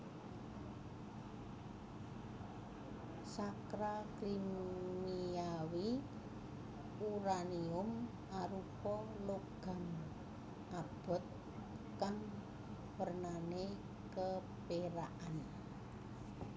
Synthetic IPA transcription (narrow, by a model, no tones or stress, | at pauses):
sakɾaklimiawi | uɾaniʊm | aɾupɔloɡ̥a̤m | ʔab̥ʊ̤t̪̚ | kaŋ | pərnane | kə | peɾaʔan